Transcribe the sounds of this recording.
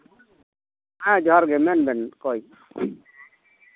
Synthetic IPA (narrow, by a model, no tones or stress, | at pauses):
ãd͡ʒɔɦaɾɡɛmɛnbɛnkɔi